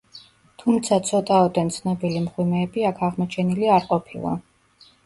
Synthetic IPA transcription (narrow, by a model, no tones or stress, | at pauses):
t̪ʰumt̪sʰat̪sʰɔt̪ʼaɔd̪ɛnt̪sʰnɔbilimχwimɛːbiakʰaʁmɔt͡ʃʰɛniliaɾqʼɔpʰilˠa̰